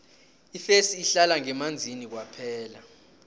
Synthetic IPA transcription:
ifesiːɬalaŋɛmand͡zʱinik̬wapʰɛːla

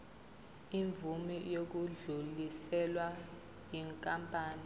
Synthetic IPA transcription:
iɱvumijok̬uɮulisɛlwa | jiŋkʼampʼaːni

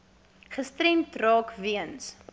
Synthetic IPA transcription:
χəstɾɛntrɑːkviəns

